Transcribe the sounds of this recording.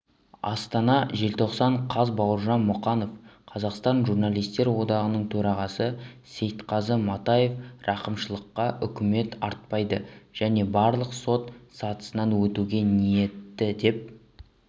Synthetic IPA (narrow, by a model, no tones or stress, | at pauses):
ɑ̰st̪ɑnɑʒe̞lt̪ʰo̞qsɑɴqʰɑzbɑwəɾʒɑnmʊqɑno̞fqʰɑzɑqst̪ɑnʒurnɑlˠijst̪e̞ɾwo̞d̪ɑʁənəɴt̪ʰɵɾɑʁɑsəse̞jt̪qʰɑzəmɑt̪ɑje̞frʔɑqəmʃəlˠəqːɑʔʏkʲɪme̞t̪ɑɾt̪̚pɑjd̪əʒ̥æne̞bɑɾlˠəqso̞t̪sɑt̪ə̥sənɑnwɵt̪uɡʲe̞nije̞t̪ːɪd̪e̞p̚